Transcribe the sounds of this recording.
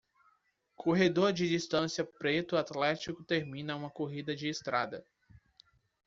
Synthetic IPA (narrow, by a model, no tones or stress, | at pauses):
kʰoɦed̪oɾd͡ʒɪd͡ʒist̪ɐ̃siɐpɾet̪ʊat̪lɛt͡ʃikʊt̪eɾmĩnɐũmɐkoɦid̪ɐd͡ʒɪːst̪ɾa̰d̪ɐ